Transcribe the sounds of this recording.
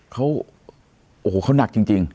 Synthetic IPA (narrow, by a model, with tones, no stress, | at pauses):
kʰa˦˥w | ʔoː˨˩˦kʰa˦˥wna˨˩k̚t͡ɕi˧ŋt͡ɕi˧ŋ